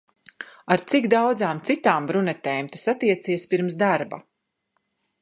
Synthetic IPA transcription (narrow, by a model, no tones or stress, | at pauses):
aɾt̪siɡd̪awd̪zaːmt̪sit̪aːmbɾunɛt̪ɛːjmt̪usat̪iɛt̪siːɛspiɾmsd̪aɾba̰